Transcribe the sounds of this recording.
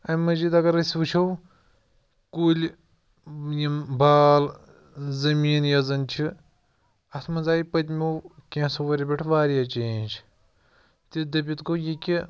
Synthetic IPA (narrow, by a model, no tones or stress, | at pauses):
ɐmɐziːd̪ɐɡɐɾɐsʲʋɨt͡ʃʰɐw | kuːlʲ | jimbaːl | zɐmiːnjɐzɐnt͡ʃʰi | ɐt̪ʰmɐzaːjpɐt̪ʲmʲuwkʲẽːsoʋɐɾʲebʲeʈʰʋaːɾjat͡ʃeːnʲt͡ʃʰ | t̪id̪ɐp̬ʲit̪kojikʲi